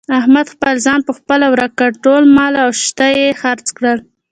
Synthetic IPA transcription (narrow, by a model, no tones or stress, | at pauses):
ahmad̪xpəlzɑnpəxpəlawɾakaʈolmɑlawʃt̪ajexaɾt͡skɽəl